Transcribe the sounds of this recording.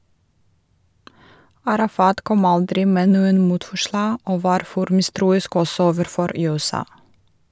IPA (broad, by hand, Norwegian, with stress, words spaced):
ɑɾɑˈfɑːt ˈkɔm ˈɑldɾɪ ˈmeː ˈnuːən ˈmuːtfɔˌʃlɑː ˈoː ˈʋɑːɾ ˈfɔɾ ˈmɪˌstɾuːɪsk ˈɔsɔ ˈoːʋəɾˌfɔɾ ˌjʉːɛˈsɑː